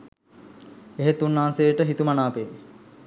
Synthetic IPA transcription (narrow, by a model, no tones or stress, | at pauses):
eɦet̪unːansejəʈəɦit̪umanaːpe